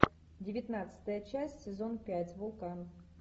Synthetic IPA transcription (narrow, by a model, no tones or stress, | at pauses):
dʲɪvʲɪt̪nat̪sɨ̥t̪əjət͡ɕæsʲtʲsʲɪzo̞npʲætʲvʊlˠkanf